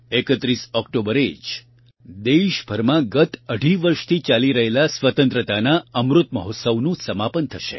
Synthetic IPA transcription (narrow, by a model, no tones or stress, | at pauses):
ekət̪ɾisɔkʈobəɾed͡ʒ | d̪eʃbʱəɾmãɡət̪əɽʱiʋəɾʃt̪ʰit͡ʃaliɾəɦelasʋət̪ə̃nt̪ɾət̪anaəmɾʊt̪məɦot̪səʋnũsəmapənt̪ʰəʃḛ